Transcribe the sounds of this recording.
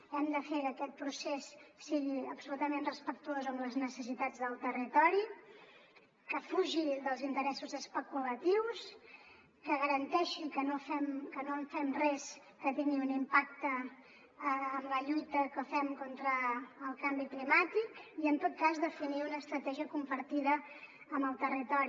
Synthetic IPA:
ɛmd̪əfekəkɛt̪̚pɾusesːiɣiəpsulut̪əmenrəspək̚t̪uozəmləznəsəsit̪ad͡zðəlˠt̪ərit̪ɔɾi | kəfuʒiðəlˠzint̪əɾɛsuzəspəkulət̪iws | kəɣəɾənt̪ɛʃikənofɛmkənoɱfɛmrɛs | kət̪iŋɡiunimpak̚t̪ə | mləʎujt̪əkəfɛmkont̪ɾəːlˠkambiklimat̪ikiənt̪ot̪̚kazðəfiniunəːst̪ɾət̪ɛʒiəkumpəɾt̪iðəː | məlˠt̪ərit̪ɔɾi

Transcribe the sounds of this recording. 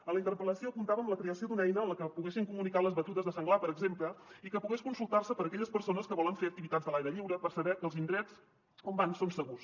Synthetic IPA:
ələint̪əɾpələsiokunt̪aβəːmləkɾeəsiod̪unɛjnəːləkəpuɣɛsiŋkumunikaləzβət̪uðəzðəsəŋɡlapəɾəɡzempləikəpuɣɛskunsulˠt̪arsəpəɾəkɛʎəspəɾsonəskəβɔləɱfeək̚t̪iβit̪add͡zðəlajɾəʎiwɾəpəɾsəβɛkəlˠzind̪ɾɛt͡s | kombansonsəɣus

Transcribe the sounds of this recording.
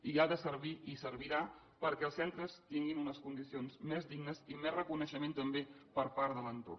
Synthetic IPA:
iaðəsəɾβiʔisəɾβiɾa | pəɾkɛəlˠsɛnt̪ɾəst̪iŋɡinunəskund̪isionzmɛzd̪iɡnəzimɛsrəkunəʃəment̪əmbepəɾpaɾðələnt̪o̰r

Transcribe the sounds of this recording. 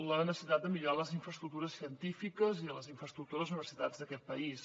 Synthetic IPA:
lənəsəsit̪at̪̚d̪əmiʎuɾaləziɱfɾəst̪ɾuk̚t̪uɾəsiənt̪ifikəziələziɱfɾəst̪ɾukt̪uɾəzuniβəɾsit̪ad͡zd̪əkɛt̪̚pəis

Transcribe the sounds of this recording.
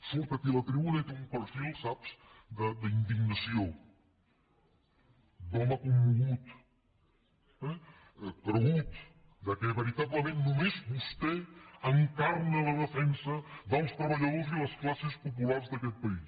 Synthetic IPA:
solk̪ək̪ilət̪ɾiβunəit̪eumpəɾfilˠsapsd̪əd̪əind̪iɡnəsio | d̪ɔməkumːuɣut̪ | ɛ | kɾəɣut̪ | d̪əkɛβəɾit̪aβləmẽnnumezβust̪eəŋkaɾələðəfɛnsəðəlˠst̪ɾəβəʎɐðoziləsklasespupulaɾzðəkɛt̪̚pɐis

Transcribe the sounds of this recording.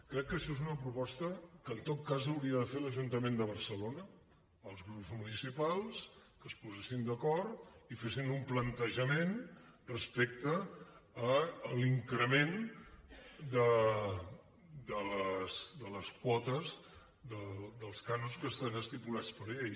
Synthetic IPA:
kɾɛkːəʃɔezunəpɾupɔst̪əkəːnt̪ot̪̚kazəwɾiəðəfeləʒunt̪əmend̪əβ̞ərsəlonəː | lˠzɣɾupzmunisipalˠskəspuzesind̪əkɔɾt̪ifesinumplənt̪əʒəmenrəspek̚t̪əː | liŋkɾəmen | d̪ə | d̪ələsd̪ələskwɔt̪əz | ðəd̪əlˠskanuskəst̪anəst̪ipulat͡spəɾeeʎ

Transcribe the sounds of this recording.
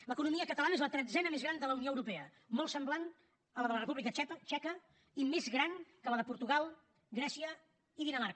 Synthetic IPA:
ləkunumiəkət̪əlanəezlət̪ɾɛd͡zɛnəmezɣɾand̪ələunioəwɾupɛə | mɔlˠsəmblan | ələðələrəpuβlikət͡ʃɛət͡ʃɛkə | imezɣɾaŋkələðəpuɾt̪uɣalˠ | ɡɾɛsiə | iðinəmaɾkə

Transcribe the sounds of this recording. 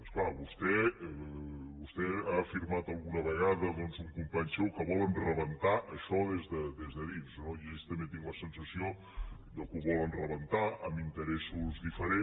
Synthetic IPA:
əsklaβust̪ɛ | βust̪ɛaːfiɾmat̪əlˠɣunəβəɣaðəðɔnzuŋkumpaɲsɛwkəβɔlənrəβənt̪aʔəʃɔðezðəd̪ezðəðinznoiest̪əmet̪iŋɡləsənsəsio | d̪əkuβɔlənrəβənt̪aʔəmint̪əɾɛsuzðifəɾe

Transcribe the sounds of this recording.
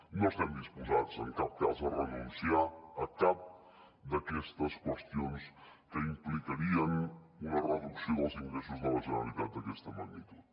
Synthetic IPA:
nost̪and̪ispuzaðzəŋkap̚kazðərənunsiaːkap̚ | d̪ɐkɛst̪əskwəst̪ijons | kəimplikɐɾiənunɐrəðuksiðəlˠziŋɡɾes̬uzðəlɐʒənɐlˠit̪at̪̚d̪əkɛst̪əmɐniɾə

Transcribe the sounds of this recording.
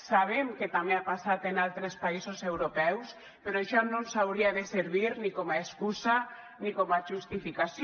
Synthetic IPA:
saβ̞emket̪ameapasat̪enalˠt̪ɾespaisosewɾopɛws | peɾoaʃɔnõnsawɾiaðeseɾβiɾnikɔmaeskuza | nikɔmaʒust̪ifikas

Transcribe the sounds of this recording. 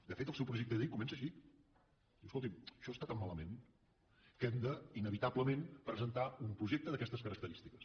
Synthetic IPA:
d̪əfet̪əlˠsɛwpɾuʒek̚t̪əðikumɛnsəʃi | d̪iwskolˠt̪iməʃɔst̪at̪amːaləmen | kɛmd̪əinəβit̪abləmenpɾəzənt̪aumpɾuʒek̚t̪əðəkɛst̪əskəɾək̚t̪əɾist̪ikəs

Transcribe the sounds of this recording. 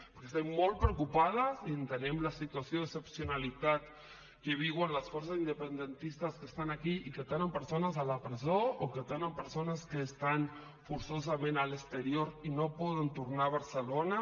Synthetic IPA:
poɾkest̪emmolt̪̚pɾewkupað̞asient̪enemlasit̪wasjoðesepsjonalit̪at̪ | keβ̞iɣwanlasfoɾs̬asind̪epend̪ent̪ist̪askest̪anakiiket̪enempeɾsonazalapɾezooket̪enempeɾsonaskeːst̪an | fuɾsoz̬amẽnalest̪eɾjoɾinopɔð̞ent̪uɾnaβaɾselona

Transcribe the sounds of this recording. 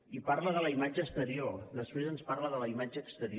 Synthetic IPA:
iparləðələimad͡ʒəːst̪əɾiord̪əspɾezənsparləðələimad͡ʒəːkst̪əɾi

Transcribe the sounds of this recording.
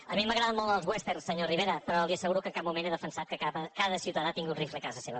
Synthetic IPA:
əmiməɣɾaðəmolˠd̪əlˠzwest̪eɾsəɲoriβ̞eɾəpɾɔliəsəɣuɾukəŋkamumeneðəfənsat̪kəakaðəsiut̪əðat̪iŋɡuriflekazəseβə

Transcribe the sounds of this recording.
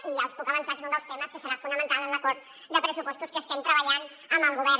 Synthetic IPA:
ialspukaβansakesund̪əlˠst̪eməskəsəɾafund̪amə̃nt̪alẽnlakoɾt̪ | d̪əpɾəsupɔst̪uskəst̪ent̪ɾəβaʎan | əməlˠɣuβ̞ɛɾ

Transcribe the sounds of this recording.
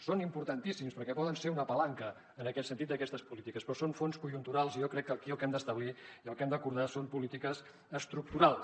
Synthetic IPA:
sonimpuɾt̪ənt̪isimspəɾkɛpɔðənseɾunəpəlaŋkə | ənəkɛt̪sənt̪it̪d̪əkɛst̪əspulit̪ikəspɾɔsonfonskuʒunt̪uɾalˠzijɔkɾɛkːəkiəlˠkɛmd̪əst̪əβ̞liiəlˠkɛmd̪əkuɾðasompulit̪ikəz | əst̪ɾuk̚t̪uɾalˠ

